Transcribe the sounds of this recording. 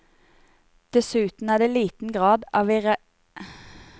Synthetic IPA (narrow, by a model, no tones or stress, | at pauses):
d̪̥ɛsʉːt̪n̩æːd̪eːliːt̪n̩ɡʁɑːd̪ɑːʋiːʁə